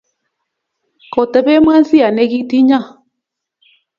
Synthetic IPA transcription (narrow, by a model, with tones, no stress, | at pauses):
kɔ˨tɛ˨bɛ˦m˦a˦n˦si˦a˨nɛ˦ɣi˦ti˦ɲa˦˨